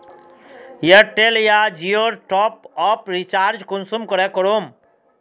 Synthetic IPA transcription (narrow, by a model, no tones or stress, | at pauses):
jəʈeljad͡ʒijoɾʈɔpɔpɾit͡ʃaɾd͡ʒkunsumkɔɾɛkɔɾom